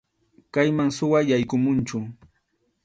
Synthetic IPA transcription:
kajmaŋsʊwajajkʊmʊnt͡ʃʊ

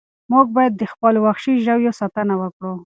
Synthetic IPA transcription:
muɡ̚bɑjad̪̚ːəxpəlwaxʃiʒawjosat̪anawəkɽu

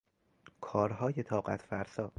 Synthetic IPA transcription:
kʰɒːɾɦɒːjet̪ʰɒːɢæ̰t̪ʰfæɾsɒː

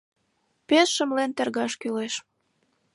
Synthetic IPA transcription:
pesʃəmlent̪erɣɑʃkyleʃ

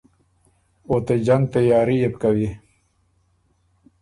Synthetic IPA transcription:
ot̪ed͡ʒaŋɡ̚t̪ajaːɾijebkawi

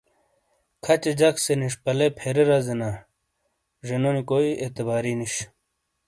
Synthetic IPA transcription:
kʰɐt͡ɕed͡ʑɐkseniʂpɐlepʰeɾeɾazena | ʐenonikoiet̪ebaːɾiniɕ

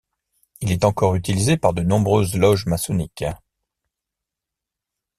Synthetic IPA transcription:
ilɛt̪ɑ̃kɔʁyt̪ilizepaʁd̪ənɔ̃bʁøzlɔʒmasɔnik

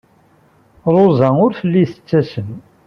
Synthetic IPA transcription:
ɾˤozæʊɾfəlːiθə̥t͡sːæsən

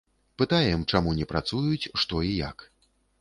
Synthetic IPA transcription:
pɨt̪ajɛmt͡ʂamunʲɛpɾʔat̪sujut͡sʲʂt̪ɔija̰k

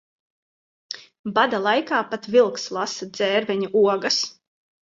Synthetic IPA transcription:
bad̪alˠajkaːpat̪vilˠkslˠasad̪z̥ɛːɾvʲɛɲuʔuɔɡas

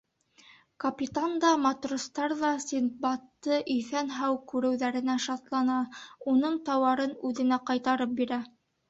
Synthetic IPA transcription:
kɐpʲit̪and̪ɑmɑt̪rŏst̪ɑɾðɑsʲinbɑt̪ːɤʔɵ̆jθænɦæwkʉɾɘ̆wðæɾɘ̆næʃɑt̪lˠɑnɑunɤɴt̪ɑwɑɾɤnʉðɘ̆næqɑjt̪ɑɾɤp̚biɾæ

